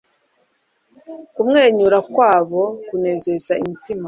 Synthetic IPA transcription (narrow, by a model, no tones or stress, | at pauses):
kumŋe̞ːɲuɾakwaːβo̞kune̞ze̞zaimitima